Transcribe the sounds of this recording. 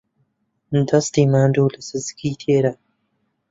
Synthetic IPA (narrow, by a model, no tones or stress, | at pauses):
d̪ɐst̪iːmaːnd̪uːlɐsɨzɨ̥kʰiːt̪ʰeːɾa